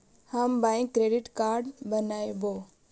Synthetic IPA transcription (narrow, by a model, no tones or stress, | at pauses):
hambãɪ̃kːɾeːɖɪʈkaːɾɖbənaːjboː